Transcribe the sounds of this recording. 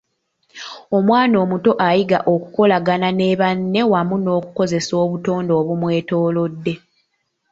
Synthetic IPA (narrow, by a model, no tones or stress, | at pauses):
o̞mwaːno̞ːmuto̞ʔajiɡa̰ʔo̞ku̥ko̞laɡanane̞ːβanːe̞wamuno̞ːku̥ko̞ze̞so̞ːβuto̞ːndo̞ːβumwe̞ːto̞ːlo̞dːe̞